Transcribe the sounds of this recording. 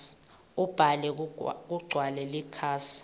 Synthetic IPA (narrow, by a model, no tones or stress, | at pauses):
ub̥ʱalɛk̬uɡ͡ǀʱwalɛlikʰaːsi̥